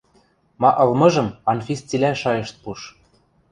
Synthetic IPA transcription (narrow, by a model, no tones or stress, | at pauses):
mɑʔɤ̆lmɤ̆ʒɤ̆mɑnfʲist͡silʲæʃɑjɤ̆ʃt̪̚puʃ